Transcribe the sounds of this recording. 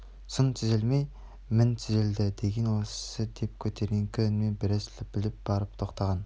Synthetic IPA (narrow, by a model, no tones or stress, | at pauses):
sʊnt̪ʰʏzɪlmej | mɪnt̪ʰʏzeld̪ɪd̪eɡʲenwossəd̪ep̚kʲʰɵt̪ʰeɾɡʲeŋkʲʰɪʏnmenbɪɾeslɪbɪlɪp̚b̥ɑɾəpt̪ʰoqt̪ʰɑʁɑn